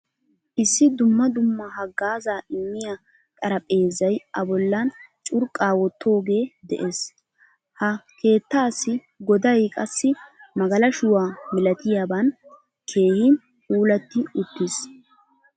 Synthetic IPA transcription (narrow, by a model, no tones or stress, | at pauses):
ʔɪsːɪd̪ʊmːɐd̪ʊmːɐɦɐɡːaːzaːʔɪmːɪja | t̪ʼɐɾɐpʼe̞ːzɐjʔɐbɔlːɐnt͡ʃʼʊɾkʼːaːwɔt̪ʰːo̞ːɡe̞ːd̪ɛ̰ʔe̞ːs | hɐkʰe̞ːt̪ːaːsːɪ | ɡɔd̪ɐjkʼɐsːɪmɐɡɐlɐʃʊwaːmɪlɐt̪ɪjaːbɐn | kʰe̞ːhɪ | huːlɐt̪ːɪʊt̪ːɪs